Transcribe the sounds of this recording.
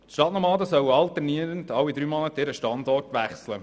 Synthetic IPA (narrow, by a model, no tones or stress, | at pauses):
ʃtɑtnɔɾmɑːd̪əsœwɑltɛrniəɾəndɑwːid̪ɾyːmɔnətɪɾəʃtɑnd̪ɔrtʋæχslə